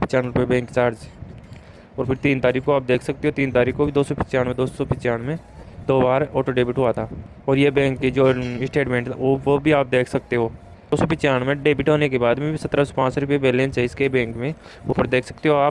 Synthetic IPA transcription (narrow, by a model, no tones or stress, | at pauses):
pɪt͡ʃaːnɾʊpjebɛ̃ːŋkt͡ʃaːɾd͡ʒ | ɔːɾpʰɪɾt̪iːnt̪aːɾiːkkoaːp̚d̪eːkʰsɐk̚t̪eɦot̪iːnt̪aːɾiːkʰkobid̪oːsopɪt͡ʃaːɽmẽd̪oːssopɪt͡ʃaːnmẽ | d̪oːbaːɾɔːʈoɖeːbɪʈɦoat̪ʰaː | ɔːɾjebɛ̃ːŋkːid͡ʒoːɪsʈeːʈmẽːɳʈoʋobʱiaːp̚d̪eːkʰsɐk̚t̪eɦoː | d̪̥oːsopɪt͡ʃjaːɽ̃mẽɖeːbɪʈɦoːnekebaːd̪mẽbʱisɐt̪ɾaso̥pãːt͡ʃɾʊpjebeːlẽːnsɛɪskebɛ̃ːŋkmẽoːpɪɾd̪eːkʰsɐ̥k̚t̪eɦoaːp